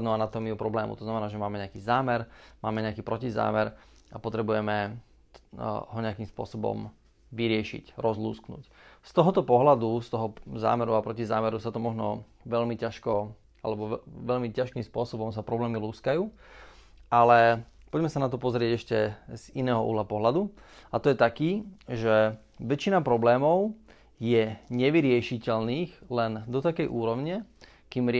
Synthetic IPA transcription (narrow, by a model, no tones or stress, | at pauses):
nɔanat̪ɔmiupɾɔblɛːmṵt̪ɔznamɛnaːʒɛmaːmɛɲɛakiːzaːmɛɾmaːmɛɲɛakiːpɾɔciza̰ːmɛɾ | apɔt̪ɾɛbujɛmɛ | ɦɔɲɛakiːmspʊɔ̰sɔbɔ̰m | ʋiɾɪɛʃḭcɾɔzlṵːsknṵːcst̪ɔɦɔt̪ɔpɔɦlad̪ust̪ɔɦɔza̰ːmɛɾuapɾɔcizaːmɛɾusat̪ɔmɔʒnɔ̰ | ʋɛʎmicaʃkɔ | alɛbɔʋɛʎmicaʃkimspʊɔsɔbɔmsapɾɔblɛːmiluːskajuː | ʔalɛ | pɔɟmɛsanat̪ɔpɔzɾɪɛɟɛʃcɛzinɛːɦɔʔṵːlapɔɦlad̪uat̪ɔjɛt̪akiːʒɛ | ʋɛt͡ʃinapɾɔblɛːmɔʊ | jɛɲɛʋiɾɪɛʃicɛlniːxlɛnd̪ɔt̪akɛjʔuːɾɔʊɲɛ | kiːmɾɪ